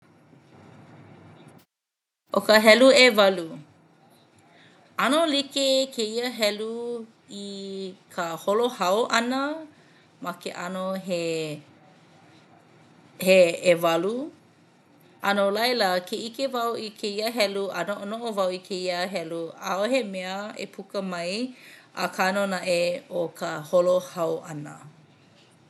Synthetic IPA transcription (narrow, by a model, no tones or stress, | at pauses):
ʔokəɦɛluevɐlu | ɐnolikekʰeiəɦɛlu | ikʰəholohɐwʔɐnə | mɐkeʔɐnoɦe | heːvɐlu | ʔɐnolɐjləkʰeʔikevɐwikʰeiəɦɛluʔɐnoʔonoʔovɐwikʰeiəɦɛluʔaohemeəḛpʰukəmɐjʔɐ̰kʰanonaʔeokʰəholohɐwʔɐnə̰